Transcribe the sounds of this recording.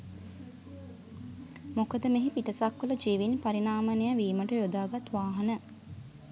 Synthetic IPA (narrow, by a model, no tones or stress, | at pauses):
mokəd̪əmeɦipiʈəsakːələd͡ʒiːʋinpaɾinaːmənejaʋiːməʈəjod̪aːɡat̪ʋaːɦɐnə